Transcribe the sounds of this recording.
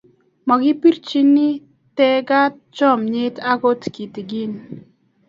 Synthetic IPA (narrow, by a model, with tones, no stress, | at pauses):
mɔ˨ɡi˦pi˦ɾt͡ʃi˦nːi˦ | tɛ˦ɡa˦t̚t͡ʃɔ˦˨mɲe˦ta˦ko˦tki˨ti˨ɡi˦n